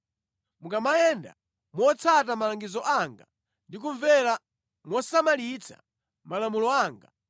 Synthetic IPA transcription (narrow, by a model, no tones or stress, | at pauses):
mukamajɛnda̰ | mwɔt͡sʰat̬amalaŋɡizɔʔaŋɡa | ndik̬uɱvɛla | mwɔsamalit͡sʰa̰ | malamulɔaːŋɡa̰